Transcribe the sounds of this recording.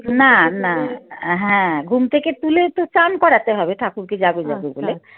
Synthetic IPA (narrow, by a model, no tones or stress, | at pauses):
nanaɦɛ̃ɡʱumt̪ʰeket̪ulet̪ot͡ʃankɔɾat̪eɦɔbeʈ̪ʰakuɾkid͡ʑaɡud͡ʑaɡubole